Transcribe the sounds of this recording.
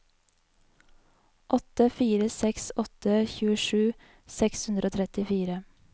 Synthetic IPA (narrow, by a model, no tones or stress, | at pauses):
ʔɔt̪əfiːɾəsɛksɔt̪əçʉːəʃʉː | sɛkshʉnd̪ɾʔoːt̪ʰɾɛt̪ɪfiːɾə